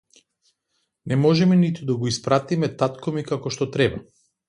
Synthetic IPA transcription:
nɛmɔʒɛmɛnit̪ud̪aɡɔispɾat̪imɛt̪at̪kɔmikakɔʃt̪ɔt̪ɾɛba

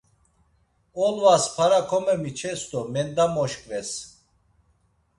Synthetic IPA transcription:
ɔlvaspʰaɾakʰɔmɛmit͡ʃʰɛst̪ʼɔmɛnd̪amɔʃkʼvɛs

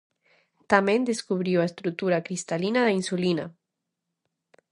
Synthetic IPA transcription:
t̪amẽnd̪eskuβɾiwaest̪ɾut̪uɾakɾist̪alinaðainsulina̰

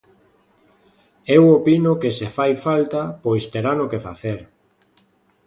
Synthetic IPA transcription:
ewopinʊkesefajfalt̪apojst̪eɾanokefa̰θeɾ

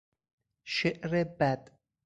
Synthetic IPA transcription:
ʃeʔɾebæd̪̥

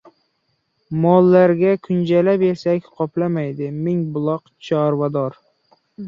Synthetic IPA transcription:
mɒlˠːaɾɡʲakʰʊnd͡ʒalapesakʲqʰɒpʰlamajd̪ɪmɪŋbʊlˠɒqt͡ʃʰɑɾvad̪ɒɾ

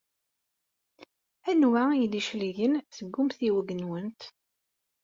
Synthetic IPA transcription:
ænwæid̪iʃliʝənsəɡːumθiwəɡənwənt̪

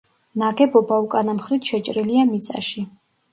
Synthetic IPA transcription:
naɡɛbɔbaukʼanamχɾit̪ʃɛt͡ʃʼɾiliamit̪sʼa̰ʃi

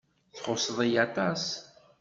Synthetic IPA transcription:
θχʊsðˤijɑt̪ˤɑs

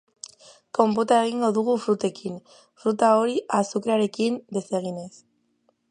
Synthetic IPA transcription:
ko̞mp̬ot̪ae̞ɣ̞iŋɡo̞ðuɣ̞ufɾut̪e̞kin | fɾut̪ao̞ɾiʔasukɾeaɾe̞kind̪e̞se̞ɣ̞ine̞s

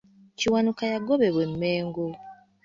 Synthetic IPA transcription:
ciwanukajaɡoβe̞βwe̞mːeːŋɡo

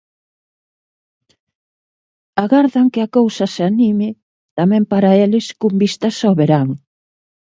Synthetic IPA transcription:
aɣaɾðɐŋkɪakowsɐseanimɪ | t̪amɛ̃mpaɾaelɪskumbist̪ɐsaβeɾaŋ

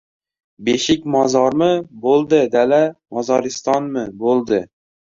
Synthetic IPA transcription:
beʃɪkʲmɒzɒɾmɪbolˠd̪ɪd̪alamɒzɒɾɪst̪ɒnmɪbolˠd̪ɪ

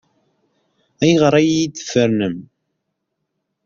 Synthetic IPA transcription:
æjəʁəɾˤæjjid̪ə̥fəɾnəm

